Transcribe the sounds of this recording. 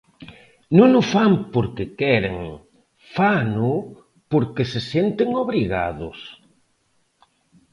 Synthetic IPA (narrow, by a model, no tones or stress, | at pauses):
nõnʊfampoɾkekɛɾḛŋ | fanʊ | poɾkesesent̪eŋoβɾiɣa̰ðʊ̰s